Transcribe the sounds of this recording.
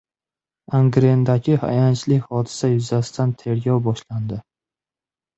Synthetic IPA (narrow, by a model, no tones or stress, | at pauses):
aŋɡɾend̪aɡʲɪha̰jant͡ʃlɪkʲhɒd̪ɪ̥sajʊzasɪ̥d̪ant̪ʰe̞ɾɡʲɒwbɒʃland̪ɪ